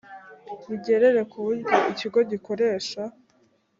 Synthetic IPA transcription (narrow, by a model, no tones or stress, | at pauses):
βiɟe̞ɾe̞ɾe̞kʰuβuɾɟoʔiciɡo̞ɟiko̞ɾe̞ːʃa